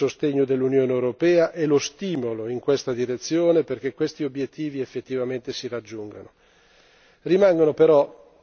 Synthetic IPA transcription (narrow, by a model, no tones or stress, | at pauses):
ost̪eɲːod̪elːunjoːneewɾopɛːaʔɛlost̪iːmoloiŋkwest̪ad̪iɾet̪sːjoːneperk̟ekːwest̪iobjet̪ːiːviefːet̪ːivament̪esirad͡ʒːuŋɡa̰no | rimaŋɡonopeɾɔ